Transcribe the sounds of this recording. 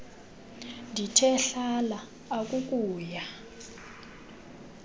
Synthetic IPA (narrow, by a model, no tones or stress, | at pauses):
ndʱitʰɛɬalaː | k̬ʼuk̬ʼuːja